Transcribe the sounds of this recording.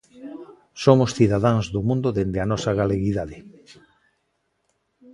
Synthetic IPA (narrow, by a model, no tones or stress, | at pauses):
somʊsθiðaðaŋzðomũnd̪oðend̪eanɔsaɣaleɣiðaðɪ